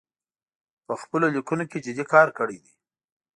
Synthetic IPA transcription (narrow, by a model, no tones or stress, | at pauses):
pəxpəlolikunoked͡ʒɪd̪ikɑɾkəɽid̪i